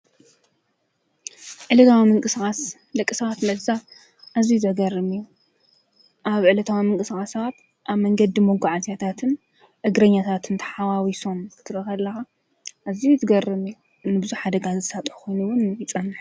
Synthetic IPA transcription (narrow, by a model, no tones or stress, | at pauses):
ʕɨlɐt̪ʰawimɨŋkʼɨskʼas | lɐkʼːɨsɐβat̪lɐza | ʔazijuzʰɐɡɐrɨmiju | ʔaβʕɨlɐt̪ʰawimɨŋkʼɨsxʼasaat̪ | ʔaβmɐŋɡɐd̪imoɡuʕazat̪ʰat̪ʰɨn | ʔɨɡɾɐɲːat̪ʰat̪ʰɨnt̪ʰɐ̥ħawawiso̞mkʰɨt̪ʰɨɾɐxɐlːɐxa | ʔːzijut̪ʰɨɡɐrːɨmiju | nɨbɨzuħad̪ɐɡazɨsat̪ʼħu̥kʰo̞jnuwʊnjɪt͡sʼɐnːɨħ